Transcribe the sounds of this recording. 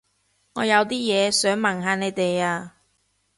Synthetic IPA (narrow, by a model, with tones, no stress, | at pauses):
ŋɔː˨˧jɐ˨˧wt̪iː˥jɛː˨˧sœː˨˥ŋmɐ˨˩ŋɦaː˧ne˨˧jt̪e˨jaː˧